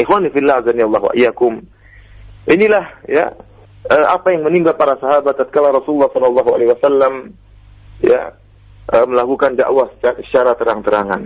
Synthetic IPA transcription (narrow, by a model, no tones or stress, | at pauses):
ɪxwanifilːazanialˠˤːaɦwa̰jakʊm | ʔinilahja̰ | əːapajaŋməniŋɡalpaɾasaɦabat̪ːat̪̚kalaɾɔsululːɑhsɔlːalˤːɑɦua̰lehwasalːam | ja̰ | ʔəməlakukanda̰ʔwasə̥asə̥t͡ʃaɾat̪əɾaŋt̪əɾaŋa̰n